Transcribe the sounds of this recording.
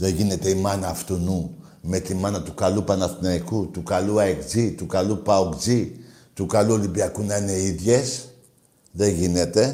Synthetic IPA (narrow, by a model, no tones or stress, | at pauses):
ðe̞ʝine̞t̪e̞imɐnɐːft̪onu | me̞t̪imɐnɐt̪ukɐlupɐnɐθinɐikut̪ukaluɐekd͡zit̪ukalupɐokd͡zi | t̪ukaluo̞limbiɐkunɐine̞iðʝe̞s | ðe̞ʝine̞t̪e̞